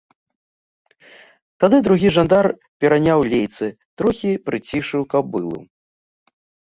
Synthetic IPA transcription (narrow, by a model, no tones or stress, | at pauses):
t̪ad̪ɨd̪ɾuɣʲiʐand̪ar | pʲɛɾanʲawlʲejt̪sɨ | t̪ɾuxʲipɾɨt͡sʲiʂɨwkɐbbɨ̰lˠṵ